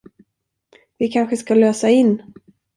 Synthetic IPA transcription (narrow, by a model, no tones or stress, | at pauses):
vɪkʰanɧəskaløːsaɪnː